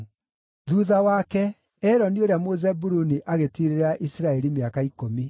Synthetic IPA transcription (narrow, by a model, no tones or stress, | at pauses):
ðuːðawakɛ | ɛɾɔnioɾeamozɛbuɾuniʔaɣetiɾeɾaʔisɾaɛɾimeakaikomi